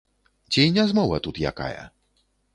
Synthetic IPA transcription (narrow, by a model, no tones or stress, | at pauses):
d͡ʑejɲazmɔwat̪ut̪ja̰ka̰jɛ̰